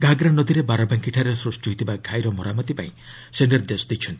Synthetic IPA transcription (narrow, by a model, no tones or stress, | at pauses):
ɡʱaɡɾanɔd̪iɾebaɾɔbaŋkiʈʰaɾesɾusʈɔɦit̪ʰibakʰajɾɔmɔɾamɔt̪ipa̰ĩ | seɳɖeɾd̪esd̪it͡ʃʰɔnt̪i